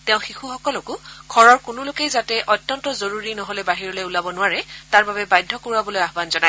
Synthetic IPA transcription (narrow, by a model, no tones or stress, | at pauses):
teʊ̃xixuxɔkɔlɔkʊɡʰʱɔɹɔɹkʊnʊlʊkejzatɛʔɔtjɔntɔzoɹuɹinɔɦɔlɛbaɦiɹɔlojulabɔnʊwaɹɛtaɹbabɛbajdʱːɔkoɹuabɔlojaɦbanzɔnaj